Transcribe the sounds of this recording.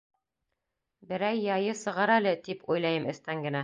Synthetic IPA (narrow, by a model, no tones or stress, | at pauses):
bɘ̆ɾæjːɑjɤsɤ̆ʁɑɾælɘt̪ipujlˠɑjɤmʔɘ̆st̪æŋɡɘ̆næ